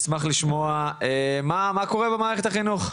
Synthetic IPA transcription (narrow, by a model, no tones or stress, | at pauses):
smaχliʃmo̞aemamako̞ʁebemaːʁeχet̪aχinuχ